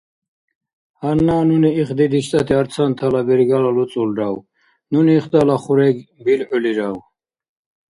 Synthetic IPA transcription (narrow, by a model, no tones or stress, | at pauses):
hanːaːnuniiχd̪id̪iʃt̪ʼat̪ʰiaɾt͡sʰant̪ʰalabɛɾɡalalut͡sʼulɾaw | nuniːχd̪alaχuɾɛɡbilʕɔliɾaw